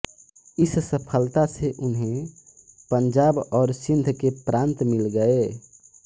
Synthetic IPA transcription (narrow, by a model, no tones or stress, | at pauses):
ɪssəpʰəlt̪aseʔʊnɦẽ | pəɲd͡ʒabɔːɾsind̪ʱkepɾʔãnt̪milɡəe